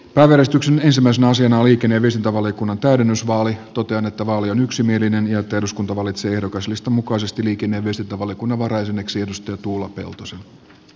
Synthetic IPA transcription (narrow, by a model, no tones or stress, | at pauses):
pæːʋeɾest̪yksene̞nsimːæisenæɑsiɑnɑliːkenːe̞ːʋiest̪int̪ɑʋɑliokunːɑnt̪æydenːysʋɑːlit̪o̞t̪eɑnet̪ːæʋɑːlionyksimie̞linenjɑet̪ːæeduskunt̪ɑʋɑlit̪se̞ːe̞hdo̞kɑslist̪ɑmukɑise̞st̪iliːkeneːʋiest̪int̪ɑʋɑljokunːɑʋɑɾɑjesenːeksiedust̪ɑjɑt̪uːlːɑpe̞̰lt̪osen